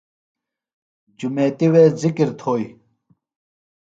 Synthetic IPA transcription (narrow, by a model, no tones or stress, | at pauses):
d͡ʑumeːt̪iweːzikiɾt̪ʰoːj